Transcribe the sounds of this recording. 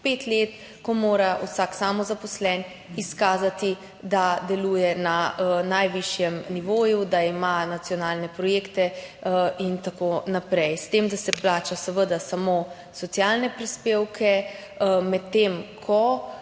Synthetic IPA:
pet̪leːt̪̚ | kɔmoːɾausaːksaːmɔzapɔslɛn | iskaːzat̪i | d̪ad̪ɛluːjɛnanajʋiʃjɛmniʋoːjud̪aimanat̪sijɔnaːlnɛpɾɔjeːkt̪ɛ | int̪akonapɾɛjst̪emd̪asɛplaːt͡ʃasɛʋəd̪asamo | sɔt̪sjalnɛpɾispeːwkʰɛ | mɛt̪ːemkʰɔ

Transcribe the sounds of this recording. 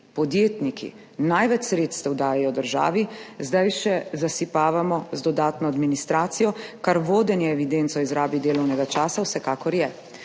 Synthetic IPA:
pɔd̪jeːt̪nikʰḭ | najʋɛt͡ʃsɾeːt̪st̪ɛwd̪aːjajɔd̪əɾʒa̰ːʋizd̪ajʃɛzasipaːʋamɔzd̪ɔd̪aːt̪nɔad̪minist̪ɾaːt̪sijɔkaɾʋoːd̪ɛnjɛɛʋid̪ent̪sɔizɾaːbid̪eːlɔwnɛɡat͡ʃaːsawsɛkaːkɔɾjɛ

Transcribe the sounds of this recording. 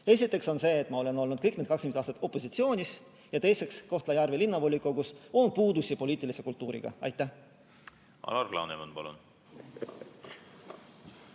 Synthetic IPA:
e̞s̬ʲit̪ːˑe̞kso̞nse̞ːt̪ːˑmɑo̞le̞no̞lnud̪̥kɤjkned̪kɑkskymest̪ɑːst̪ɑt̪ːˑo̞pːˑo̞sit̪sio̞ːnʲis | jɑt̪e̞jse̞ksko̞ht̪lɑjɑrvilinːɑvo̞lʲːikːˑokuso̞n̥̚puːd̪usʲipo̞lʲiːt̪ːˑilise̞kult̪ːˑuːɾḭɡ̥ɑ̰ɑ̰jt̪ːˑæ | ɑ̰lɑrɡlɑ̰nemonpɑlṵn

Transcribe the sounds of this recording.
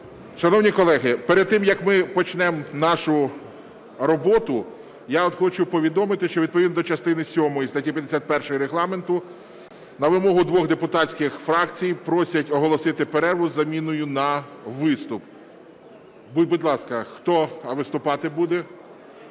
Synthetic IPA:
ʃɐnɔwnʲikɔlˠɛɦɪpeɾed̪̚t̪ːɪmjɐkmɪpɔt͡ʃnɛmnɑʃʊ | ɾɔbɔt̪ʊ | jaɔt̪xɔt͡ʃʊpɔʋʲid̪ɔmɪt̪ɪʃt͡ʃɔʋʲid̪̚pɔʋʲid̪nd̪ɔt͡ʃɐst̪ɪnɪsʲɔmɔjist̪ɐtʲipʲjɐd̪esʲat̪̚pɛrʃɔjɔɾeɦlˠɑment̪ʊ | nɐʋɪmɔɦʊd̪ʋɔɣd̪epʊt̪ɑsʲkɪxfɾɑkt͡sʲijpɾɔsʲɐtʲɔɦɔlˠɔsɪt̪ɪpeɾɛrʋʊzːɐmʲinʊjʊnɐʋɪst̪ʊp | bubʊd̪lˠɑskɐxt̪ɔʋɪst̪ʊpɑt̪ɪbud̪ɛ

